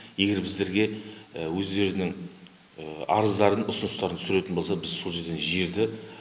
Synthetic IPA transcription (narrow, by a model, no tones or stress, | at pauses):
je̞ɡʲe̞ɾbɪzd̪e̞ɾɡʲe̞wɵzd̪e̞ɾɪnɪŋ | ɑ̰ɾəzd̪ɑɾənʊsʊnʊst̪ɑɾənsʏɾe̞t̪ɪnbolˠsɑbɪzsolˠʒe̞ɾd̪enʒe̞ɾd̪ɪ